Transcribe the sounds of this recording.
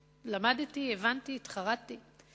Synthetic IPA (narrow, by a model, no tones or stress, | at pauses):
lamadtievantiːt̪χaʁati